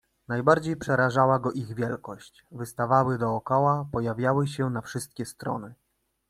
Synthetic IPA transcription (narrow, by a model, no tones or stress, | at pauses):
najbaɾd͡ʑejpʂɛɾaʐawaɡɔʔiɣvʲjɛlkɔɕt͡ɕ | vɘst̪avawɘd̪ɔːkɔwapɔjavʲjawɘɕɛnafʂɘst̪̚kʲɛst̪ɾɔ̰nɘ